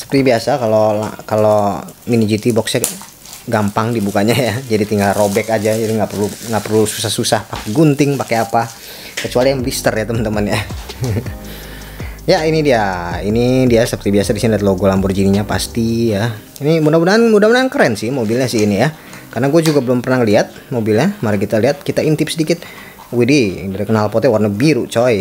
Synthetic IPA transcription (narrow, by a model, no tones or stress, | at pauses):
sə̥pərt̪ibiasakalola̰kalominid͡ʒit̪ibɔksa | ɡampaŋdibukaɲajad͡ʒadit̪iŋɡalrobɛkad͡ʒad͡ʒadiŋɡapərluŋɡapərlusu̥sahsusahpakɛɡunt̪ɪŋpakɛapa | kət͡ʃualijaŋlist̪ərjat̪əmənt̪əmənja | jainidiainidiasəpərt̪ibiasadisindat̪loɡolambʊrd͡ʒiniɲapa̰st̪ija | inimunamunanmudamunaŋkəɾɛnsɪhmobɪlɲasɪhinija | karnaɡuɛd͡ʒuɡabəlʊmpərnaŋliat̪̚mobilɲamaɾiŋkit̪aliat̪̚kit̪aint̪ɪp̚sədikɪt̪̚ | wididaɾikənalpɔt̪ɛwarnabiɾut͡ʃoj